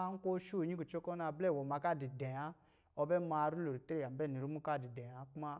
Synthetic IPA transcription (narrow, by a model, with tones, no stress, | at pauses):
a˦ŋ̩˦kʷo˦ʃu˦˨˦ɲi˦ku˨t͡ʃo˦kɔ˦na˧˨blɛ˦˨wɔ˨ma˧ka˦˨di˨dɛ̃˨a˦ | ɔ˧bɛ˦ma˧ɾu˦lo˨ɾi˨te˦ɾe˦˨a˨m˨bɛ˦˨ni˨ɾu˦mu˦ka˦˨di˨dɛ̃˨a˦ku˦ma˦